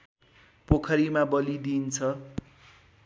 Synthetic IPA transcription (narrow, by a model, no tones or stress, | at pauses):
pokʰʌɾimabʌlid̪int͡sʰʌ